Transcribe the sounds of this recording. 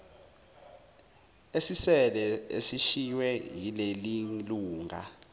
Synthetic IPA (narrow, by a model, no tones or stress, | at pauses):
esisɛlɛesiʃiwɛjileliluːŋʱa̰